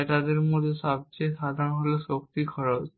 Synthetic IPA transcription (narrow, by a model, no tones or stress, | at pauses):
ʈad̪eɾmod̪ʱːeʃɔb̚t͡ɕejʃad̪ʱanɦoloʃok̚t̪ikʰɔɾot͡ɕ